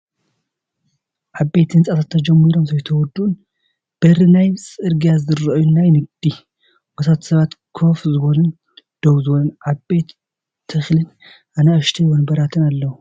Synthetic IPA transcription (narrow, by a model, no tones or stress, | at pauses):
ʔaβbe̞t̪ɨnsʼat̪ʰat̪ʰːɐd͡ʒɛmːiɾomzɐjt̪ʰɐwɔd̪un | b̥ɨɾɨnajsʼɨɾɡjazɨɾɐjunːajnɨɡ̚d̪̥i | bɐsʰat̪sɐβat̪kʰo̞fzɨβolɨn | d̪̥owzɨwonʔaβbe̞t̪ʰː | ɨxlɨn | ʔanaɨʃt̪ʰijonbɐɾat̪ʰɨnalːɐwu